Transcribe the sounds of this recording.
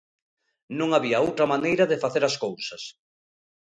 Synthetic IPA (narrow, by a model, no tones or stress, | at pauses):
nõŋaβiɐowt̪ɾɐmanejɾɐðeɪfaθeɾaskowsɐs